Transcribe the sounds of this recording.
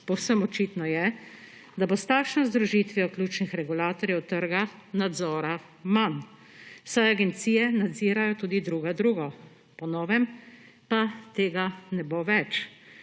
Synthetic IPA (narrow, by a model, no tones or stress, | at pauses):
pɔwsəmɔt͡ʃiːt̪nɔjɛ | d̪abost̪aːkʃnɔzd̪ɾuʒiːt̪ʋijɔklʲuːt͡ʃnixɾɛɡulaːt̪ɔɾjɛwt̪ːəɾɡanad̪zɔːɾa | man | w̥sajaɡɛnt̪siːjɛnad̪ziːɾajɔt̪uːd̪id̪ɾuːɡad̪ɾuːɡɔ | pɔnɔːʋɛm | pat̪eːɡanɛboʋɛt͡ʃ